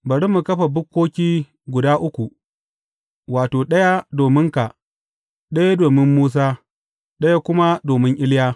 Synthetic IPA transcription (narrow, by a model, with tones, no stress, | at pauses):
bɐ˨ɽi˦mu˨kɐ˦ɸa˨bʊ˦kːoː˦kʲiː˦ | ɡʷʊ˨daː˦ʔʊ˦kʷu˨ | waː˨toː˨ɗɐ˦ja˦doː˨mɪ˦ŋka˨ | ɗɐ˦ja˦doː˨mɪ˦mːuː˦s̬aː˦ | ɗɐ˦ja˦kʷʊ˦ma˦doː˨mɪ˦ŋʔɪ˦ljaː˦